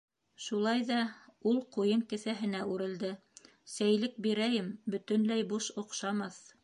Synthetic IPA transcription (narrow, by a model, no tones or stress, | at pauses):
ʃulˠɑjðɑulˠqujɤŋkɘ̆θæɦɘ̆næʔʉɾɘ̆ld̪ɘ | sæjlɘk̚biɾæjɘmbɵ̆t̪ɵ̆nlæjbuʃŏqʃɑmɑθ